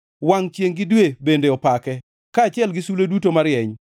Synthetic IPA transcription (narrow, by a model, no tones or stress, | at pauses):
waŋt͡ʃjeŋɡɪdwebendeɔpakɛ | kaːt͡ʃɪɛlɡɪsulodutomaɾjɛɲ